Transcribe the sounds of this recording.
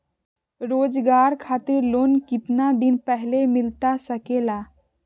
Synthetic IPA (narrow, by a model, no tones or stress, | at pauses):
ɾoːd͡ʒɡaːɾkʰaːt̪ɪɾloːnkɪt̪nad̪ɪnpɛɦlemɪlt̪asəkelaː